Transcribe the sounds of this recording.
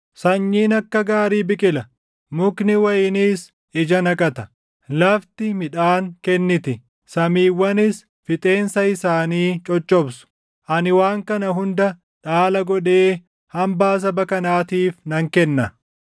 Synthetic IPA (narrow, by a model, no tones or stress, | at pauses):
sɐɲːiːnɐkːɐɡaːɾiːbɪkʼɪlɐ | mʊknɪwɐjɪniːs | ɪd͡ʒɐnɐkʼɐt̪ɐ | lɐft̪ɪmɪᶑaːŋkɛnːɪt̪ɪ | sɐmiːwːɐnɪs | fɪt̪ʼe̞ːnsɐɪsaːniːt͡ʃʼɔt͡ʃʼːɔbsʊ̥ | ʔɐnɪwaːŋkɐnɐɦʊnd̪ɐ | ᶑaːlɐɡɔᶑe̞ː | hɐmbaːs̬ɐbɐkɐnaːt̪iːfnɐŋkɛnːɐ